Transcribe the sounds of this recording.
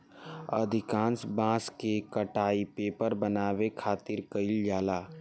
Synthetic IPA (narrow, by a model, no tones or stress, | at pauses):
ɐ̰d̪ʱɪkãːnsbãːskekəʈaːipeːpəɾbənaːwekʰaːt̪ɪɾkəɪld͡ʒaːlaː